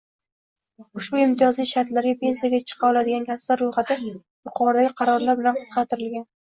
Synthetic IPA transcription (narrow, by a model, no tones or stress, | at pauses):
ʊʃbʊɪmt̪ʰijɒziʃat̪laɾɡʲapʰe̞nsijaɡʲat͡ʃʰɨ̥qʰɑɒlˠad̪ɪɡʲankʲʰaslaɾʊjχɑt̪ʰɪ | jʊqʰɒɾd̪aɡʲɪqʰɑɾɒɾlaɾbɪlanqʰɨ̥sqɑt̪ʰɪɾɪlɡʲan